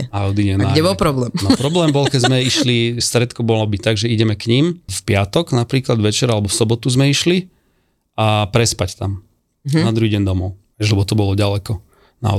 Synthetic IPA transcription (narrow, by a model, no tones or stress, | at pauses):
aɔd̪iɲɛnaaɡɛbɔlpɾɔblɛmnɔpɾɔblɛːmbɔlkɛzmɛiʃlist̪ɾɛt̪kɔbɔlɔbit̪aɡʒɛiɟɛmɛkɲimfpɪat̪ɔɡnapɾiːklad̪ʋɛt͡ʃɛɾalɛbɔfsɔbɔt̪uzmɛiʃli | ʔapɾɛspact̪am | ad̪ɾuɦiɟɛnd̪ɔmɔʊ | ɛʒlɛbɔt̪ɔbɔlɔɟalɛkɔ | na̰ɔ